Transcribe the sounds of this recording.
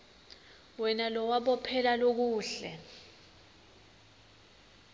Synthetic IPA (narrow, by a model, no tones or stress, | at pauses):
wɛnalɔwaɓɔpʰɛlalok̬uːɬɛ̰